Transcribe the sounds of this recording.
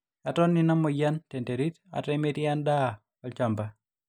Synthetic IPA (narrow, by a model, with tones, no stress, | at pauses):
a˨tɔ˦nːina˦mɔ˨ja˦nte˨nte˨ɾi˦ta̰˨tɛme˦tia˦nda˦ | ɔ˨lt͡ʃa˨mba